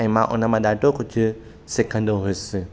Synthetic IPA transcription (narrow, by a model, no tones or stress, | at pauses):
ĩmã̰ʔʊ̰nəmãd̪aʈokʊt͡ʃʰ | sɪkʰə̃nd̪oɦʊjsɪ